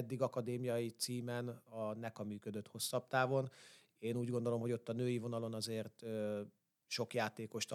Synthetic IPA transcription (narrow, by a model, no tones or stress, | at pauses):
ɛd̪ːiɡɒkɒd̪eːmijɒjit̪siːmɛnɒnɛkɒmyːkød̪ø̞t̪ho̞sːɒp̚t̪aːvo̞n | eːnuːɟɡond̪o̞lo̞mɦo̞ɟo̞t̪ːɒnøːjivo̞nɒlo̞nɒzeːrt̪ø | ʃo̞kjaːt̪eːko̞ʃt̪